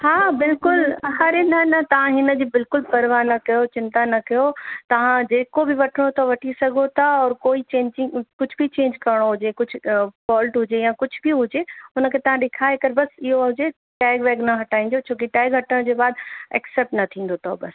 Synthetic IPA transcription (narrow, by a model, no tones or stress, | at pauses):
ɦaːbɪlkʊlɐɦaːɾenɐnɐt̪ɐʋ̤ãɦɪnə̆d͡ʑiːbɪlkʊlpɐɾʋaːnɐkɐjot͡ɕɪ̃nt̪anɐkɐjot̪ɐʋ̤ãd͡ʑeːkobɪʋɐʈʰəɽ̃ot̪ʰaʋɐʈʰisɐɡʱot̪ʰaɔːɾkoːit͡ɕẽːɲd͡ʑɪ̃kʊd͡ʑʱbit͡ɕẽːɲd͡ʑkɐɾɪɽ̃oɦʊd͡ʑekʊd͡ʑʱʊ̆fɔːlʈɦʊd͡ʑejãːkʊd͡ʑʱʊbʱiɦʊd͡ʑeʊnə̆kʰeːt̪ɐʋãɗɪkʰaːekɐɾbɐsɪɦoɦʊd͡ʑe | ʈɛːɡʋɛːɡnɐɦɐʈʰaːĩn̆d̪jot͡ɕʰoːk̬iʈɛːɡɦɐʈəɽ̃d͡ʑeːbaːd̪ɛ̰ːksɛːp̚ʈnɐt̪ʰĩːn̆d̪ot̪ʰo̰bɐs